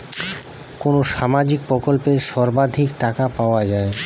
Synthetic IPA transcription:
konoʃamad͡ʑik̚pɾokolpeɾʃɔɾbad̪ʱikʈakapaoad͡ʑae

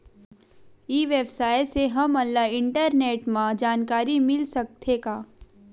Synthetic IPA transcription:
iːʋeːbsaːjseɦɐmɐlːaɪ̃ɳʈəɾneːʈmãd͡ʒaːnkaːɾimɪlsɐk̚t̪ʰekaː

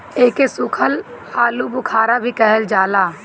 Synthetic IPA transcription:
eːkesʊkʰəlaːlubʊkʰaːɾabʱikɛɦəld͡ʒaːlaː

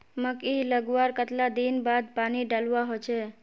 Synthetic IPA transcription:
məkiləɡʋaɾkət̪lad̪inbad̪̚paniɖalʋaɦot͡ʃʰe

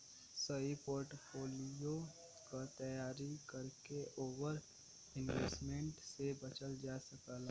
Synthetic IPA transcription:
səipoːɾʈpʰoːlijo | kat̪əjaːɾikəɾkeʔoːwəɾ | ɪ̃nʋeːsmẽɳʈsebɐt͡ʃəld͡ʒaːsəkəl

